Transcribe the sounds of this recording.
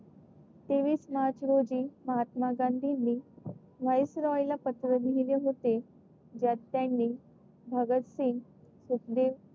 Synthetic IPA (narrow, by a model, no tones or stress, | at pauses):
t̪eʋiːsmat͡ɕɾod͡ʑiːməɦat̪maɡãnd̪ʱinːiː | ʋəjsɾɔjlapət̪ɾəniɦileɦot̪e | d͡ʑjat̪ːjanːiː | bʱəɡət̪sĩŋsut̪d̪eʋ